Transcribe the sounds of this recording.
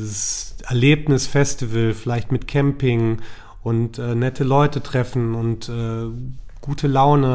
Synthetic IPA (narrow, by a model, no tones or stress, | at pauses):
zsʔɛɐleːpnɪsfɛstivəlfɪlaɪçtmɪtkʰɛmpɪŋ | ʔʊntʔɛːnɛtʰəlɔʏtətʁ̥ɛfn̩ʊntʔɛːɡ̥uːtʰəlaʊnə